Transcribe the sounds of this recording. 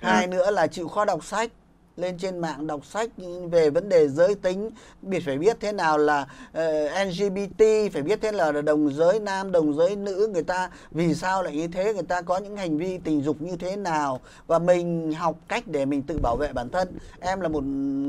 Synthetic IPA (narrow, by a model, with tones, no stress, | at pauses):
haː˧jnɨ̰˧˥əlaː˨˩t͡ɕḭ˧˨wxɔ˨˦ɗa˨˩wk͡p̚sa˦˥jk̟̚ | le˧nt͡ɕe˧nma̰ː˧˨ŋɗa˨˩wk͡p̚sa˦˥jk̟̚ve˨˩və˨˦nɗe˨˩zəː˨˦jt̪ï˨˦ŋ̟ | ɓi˦˥ət̚faː˧˩jɓi˦˥ət̚t̪ʰe˨˦naː˨˩wlaː˨˩˨ʔɛ˧nzi˧ɓi˧t̪i˧faː˧˩jɓi˦˥ət̪̚ʰe˨˧laː˨˩˨ɗə˨˩wŋ͡mzəː˨˦jnaː˧mɗə˨˩wŋ͡mzəː˨˦jnɨ̰˧˥ŋɨ˨˩əjt̪aː˧ | vi˨˩saː˧wla̰ː˧˨jɲɨ˧t̪ʰe˨˦ŋɨ˨˩əjt̪aː˧kɔ˨˦ɲɨ̰˧˥ŋha˨˩jŋ̟vi˧t̪ï˨˩ŋ̟zʊ˨˩k͡p̚ɲɨ˧t̪ʰe˨˦naː˨˩w | vaː˨˩mï˨˩ŋ̟ɦa˨˩wk͡p̚ka˦˥jk̟̚ɗe˧˩mï˨˩ŋ̟t̪ɨ̰˧˨ɓaː˧˩wvḛ˧˨ɓaː˧˩nt̪ʰə˧nʔɛ˧mlaː˨˩mo˨˩t̚